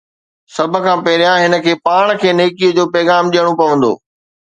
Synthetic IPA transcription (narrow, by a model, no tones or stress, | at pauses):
sɐbʱə̆kʰãːpɛɦɾjãɦɪnə̆kʰeːpaːɽ̃kʰeːneːkiəd͡ʑoːpɛːɣaːmɗijəɽ̃opɐʋə̃nd̪o̰ː